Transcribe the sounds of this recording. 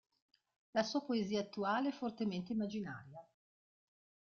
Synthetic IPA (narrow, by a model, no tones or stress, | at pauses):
lasuːapoeziːaːt̪ːuaːleɛfːort̪ement̪eimːad͡ʒina̰ːɾja